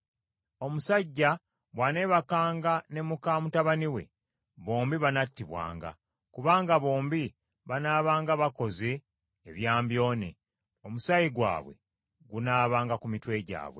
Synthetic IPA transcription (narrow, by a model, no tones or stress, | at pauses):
o̞musaɟːa | βwaːne̞ːβakaːŋɡane̞mukaːmutaβaniwe̞̰ | βo̞ːmbiβanatːiβwa̰ːŋɡa̰ | kuβaːŋɡaβo̞ːmbi | βanaːβaːŋɡaβako̞ze̞ː | βjaːmbjo̞ːnḛ | omusajiɡwa̰ːβwe̞̰ | ɡunaːβaːŋɡakumitwe̞ːɟa̰ːβwe̞̰